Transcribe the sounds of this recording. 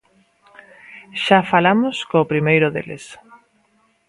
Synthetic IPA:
ʃafalamʊskoːpɾimejɾʊðḛlḛs

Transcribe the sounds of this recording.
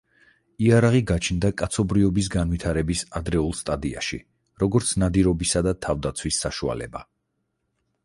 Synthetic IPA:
iaɾaʁiɡat͡ʃʰnd̪akʼat̪sʰɔbɾiɔbis̬ɡanwit̪ʰaɾɛbisad̪ɾɛulˠst̪ʼad̪ia̰ʃḭ | ɾɔɡɔɾt̪sʰnad̪iɾɔbisad̪at̪ʰavd̪at̪sʰwisːaʃua̰lɛ̰ba

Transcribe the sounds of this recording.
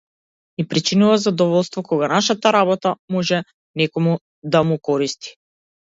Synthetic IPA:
ipɾit͡ʃinuvazad̪ɔvɔlˠst̪vɔkɔɡanaʃat̪aɾaβɔt̪amɔʒɛ | nɛkɔmu | d̪amukɔɾist̪i̥

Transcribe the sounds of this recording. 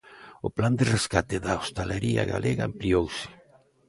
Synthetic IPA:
ʊpland̪ereskat̪ɪðaost̪aleɾia̰ɣa̰lʔeɣaampliowsɪ̥

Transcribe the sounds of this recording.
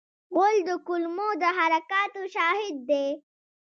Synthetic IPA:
wold̪əkʊlmod̪əɦaɾɐkaːt̪oʃɑːɦɪd̪̚ːe

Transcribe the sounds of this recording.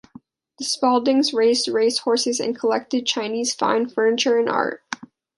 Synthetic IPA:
ðɨspɔlˠdɪ̃ŋzɹeɪzdɹeɪzd̥̚hɔɹsɨzɨ̰̃nkʰəlɛk̚tɨd̚t͡ʃʰãɪ̃niz̥fã̰ɪ̃nfɜ̃˞nɨt͡ʃə˞ɨ̃nʔɑ̰ɹt̚

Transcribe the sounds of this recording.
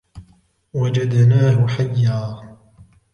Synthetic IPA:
wad͡ʒad̪naːɦʊħajːaː

